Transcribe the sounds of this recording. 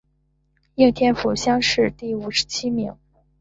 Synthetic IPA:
i˥˩ŋt̪ʰjɛ˥nfu˨˩ɕjɑ˥ŋʂɻ̩˥˧t̪i˥˩u˨˩ʂɻ̩̥˧˥t͡ɕʰi˥mi˧˥ŋ

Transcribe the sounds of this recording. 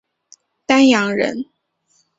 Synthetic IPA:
t̪a˥njɑ˧˥ŋɻə̰˧˥n

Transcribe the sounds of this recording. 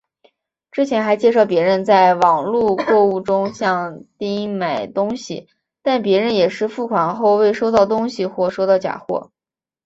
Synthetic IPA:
ʈ͡ʂɻ̩˥t͡ɕʰjɛ˧˥nxa˧˥ɪt͡ɕjɛ˥˧ʂɑ˥˩ʊpjɛ˧˥ɻə˧˥nt͡sa˥˩ɪwɑ˨˩ŋlu˥˧kwɔ˥˧u˥˩ʈ͡ʂʊ˥ŋɕjɑ˥˧ŋt̪i˥ŋ˥ma˨˩ɪt̪ʊ˥ŋɕḭ˨ | t̪a˥˩npjɛ˧˥ɻə˧njɛ˨˩ʂɻ̩˥˧fu˥˩kʰwa˨˩nxo˥˧ʊwe˥˩ɪʂo˥ʊt̪ɑ˥˩ʊt̪ʊ˥ŋɕi˨xwɔ˥˩ʂo˥ʊt̪ɑ˥˩ʊt͡ɕja̰˨˩xwɔ̰˥˩

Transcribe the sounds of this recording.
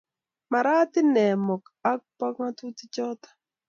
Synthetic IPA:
ma˨ɾa˦t̪ɪ˦nɛ˨mɔ˨ka˦k̚pɔ˦kma˦tu˦tɪ˦t͡ʃɔ˦t̪ḁ˨

